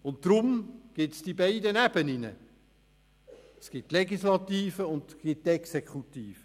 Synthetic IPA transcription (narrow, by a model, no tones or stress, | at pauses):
ʊnttɾʊmɡ̥ɪtsd̥ibaɪdənæb̥əninə̰ | sɡ̥ɪtːleɡislɑt̪iːfəʊndɡ̥ɪt̚tɛksekχut̪iːfə